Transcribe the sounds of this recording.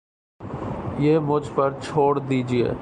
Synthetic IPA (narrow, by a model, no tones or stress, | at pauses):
jeːmʊd͡ʒʱpɐɾt͡ʃʰoːɽd̪iːd͡ʒiḛː